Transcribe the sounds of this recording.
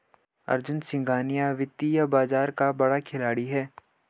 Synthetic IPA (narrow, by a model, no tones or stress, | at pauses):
ɐ̰ɾd͡ʒʊnsɪ̃ŋɡaːnijaʋɪt̪ːijabaːzaːɾkabɐɽakʰɪlaːɽiɦɛː